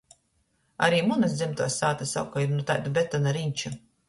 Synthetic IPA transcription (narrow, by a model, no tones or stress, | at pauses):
a̰ɾiːmunɐsd̪zʲɛmt̪uɔsːaːt̪asawkɔjiɾnut̪aːjt̪ubʲɛt̪ːanaɾiɲʲt͡ʃu